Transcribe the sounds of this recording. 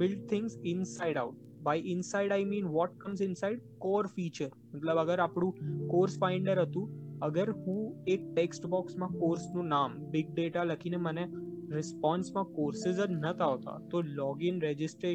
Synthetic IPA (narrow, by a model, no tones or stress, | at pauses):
bɪl̚t̪ʰɪ̃ŋɡsɪnsaɪɖawʈ̚ | bajʔɪnsaɪɖajmiːnʋɔʈ̚kəmsɪnsaɪɖkɔːɾfiːt͡ʃəɾmət̪ləbəɡəɾapɽũkoːɾsfaɪ̃ɳɖəɾɦət̪ũəɡəɾhuek̚ʈeksʈbɔksmãkoːɾsnonambɪɡ̚ɖeʈaləkinemənẽɾɪspɔ̃nsmãkoɾsɪzəɾnət̪aʋt̪a̰t̪olɔɡɪ̃nɾed͡ʒɪsʈɾe